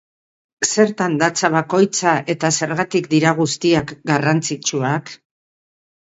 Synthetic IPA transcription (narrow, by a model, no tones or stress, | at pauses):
se̞ɾt̪and̪at͡saβako̞jt͡saʔe̞t̪ase̞ɾɣat̪ikd̪iɾaɣust̪iakɡarant͡sit͡ʃuak